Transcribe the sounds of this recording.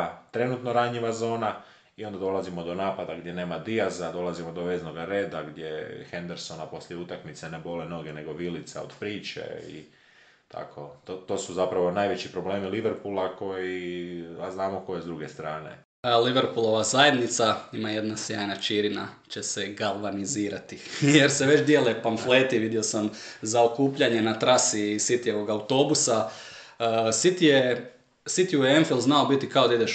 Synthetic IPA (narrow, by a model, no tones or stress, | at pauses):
t̪ɾe̞nut̪no̞ɾaɲiʋazo̞ːna | io̞nd̪ad̪o̞lˠazimo̞d̪o̞naːpad̪aɡd̪je̞ne̞ːmad̪iazad̪o̞lazimod̪oʋeːzno̞ɡaɾe̞ːd̪aɡd̪je̞xend̪eɾso̞napo̞sljeut̪akmit̪sene̞bo̞leno̞ɡene̞ɡo̞ʋilit̪sa̰o̰d̪̥pɾiːt͡ʃḛḭ | t̪ʰa̰kʰo̞t̪ot̪o̞ːsuzapɾaʋo̞naːjʋet͡ɕipɾo̞ble̞ːmiliʋeɾpulako̞jiaznaːmoko̞jezd̪ɾuɡest̪ɾa̰ːnḛ | liʋeɾpulˠo̞ʋazaːjed̪nit̪saimaje̞d̪nasjaːjnat͡ʃiːɾina̰t͡ʃe̞seɡalʋaniziːɾat̪ije̞ɾseʋe̞t͡ʃd̪jeːlepaɱfleːt̪iʋid̪io̞samzao̞kuːpʎaɲe̞nat̪ɾasisit̪ijeʋo̞ɡawt̪o̞ːbusa | sit̪ije | sit̪iuemfilˠznaobit̪ikao̞d̪aid̪eʃ